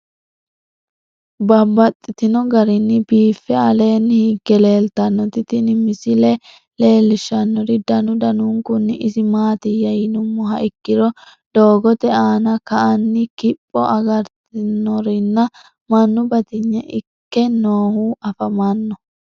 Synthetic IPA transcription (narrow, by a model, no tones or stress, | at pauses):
bɐbɐt̪ʼːɪt̪ɪnɔɡɐɾɪnːɪbiːfːɛɐle̞ːnːɪhiɡːɛle̞ːlt̪ɐnːɔt̪ɪt̪ɪnɪmɪsɪlɛ | le̞ːlːɪʃːɐnːɔɾɪd̪ɐnʊd̪ɐnuŋkʊnːɪʔɪsɪmaːt̪ɪjɐjɪnʊmːɔɦɐʔɪkːɪɾɔ | d̪̥o̞ːɡɔt̪ɛaːnɐkɐʔɐnːɪkɪpʼːɔʔɐɡɐɾt̪ɪnːɔɾɪnːɐ | mɐnːʊbɐt̪ɪɲːɛʔɪkːɛnoːhuɐfɐmɐnːɔ